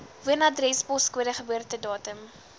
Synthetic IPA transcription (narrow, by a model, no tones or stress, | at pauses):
vuənɐdrɛsbɔskuəɾəχəbøərtədɑːtəm